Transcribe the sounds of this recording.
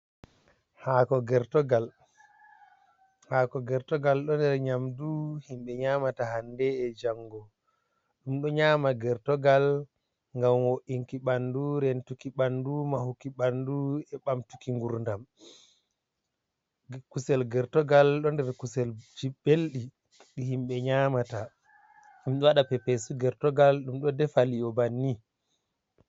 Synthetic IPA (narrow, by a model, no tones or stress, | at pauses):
hakɔɡɛɾtɔɡal | hakɔɡɛɾtɔɡalɗɔndɛɾɲamduhimɓɛɲaːmatahandɛɛd͡ʒaŋɡɔ | ɗumɗɔɲaːmaɡɛɾtɔɡal | ŋɡamwoʔiŋkiɓanduɾɛntukiɓandumahukiɓanduɛɓamtukiŋɡuɾndam | kusɛlɡɛɾtɔɡalɗɔndɛɾkusɛld͡ʒibelɗi | ɗihimɓɛɲaːmata | ɗumɗwaɗapɛpɛsuɡɛɾtɔɡalɗumɗɔdɛfaliɔbanːi